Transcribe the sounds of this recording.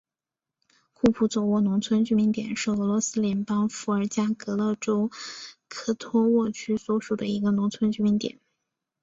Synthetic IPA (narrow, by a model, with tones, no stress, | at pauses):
kʰu˥˩pʰu˥˩t͡swɔ˨˩wɔ˥˩nʊ˧˥ŋt͡sʰwə˥nt͡ɕy˥˧mi˧˥ŋt̪jɛ̰˨˩nʂɻ̩˥˩ɤ˧˥lwɔ˧˥sɹ̩˥ljɛ˧˥npɑ˥ŋfu˧˥ə˞˨˧˩t͡ɕja˥kɤ˧˥lɤ˥˩ʈ͡ʂo˥ʊkʰɤ˨˥˩t̪ʰɔ˥wɔ˥˩t͡ɕʰy˥swɔ˧˥ʂu˨˩d̪ə̰˦i˧˥ɡə˧nʊ˧˥ŋt͡sʰwə˥nt͡ɕy˥˩mi˧˥nt̪jɛ̰˨˩˦n